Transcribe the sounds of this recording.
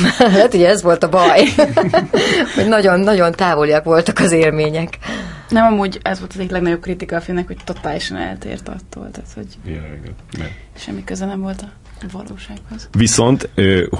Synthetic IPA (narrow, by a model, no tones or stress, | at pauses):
lɛt̪uɟɛɛzʋo̞lt̪ɒbɒj | hoɟnɒɟo̞nːɒɟo̞nt̪aːvo̞lijɒkʋo̞lt̪ɒkɒzeːrmeːɲɛknɛmɒmuːɟɛzʋo̞lt̪ɒzek̪lɛɡnɒɟo̞b̚krit̪ikɒːfinɛkho̞ct̪o̞t̪aːliʃɒnɛ̰lt̪ḛːrt̪ɒ̰t̪ːo̰ːlt̪aːt̪ho̞̰ɟjɛɛ̰ɡɛ̰nɛ | ʃɛ̰mːikøzɛnɛɱvo̞lt̪ɒ | vɒ̰lo̰ːʃaːkhoz̥viso̞nt̪ː